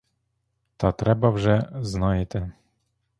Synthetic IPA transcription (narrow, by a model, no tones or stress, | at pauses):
t̪at̪ɾɛbavʐɛznajɛt̪ɛ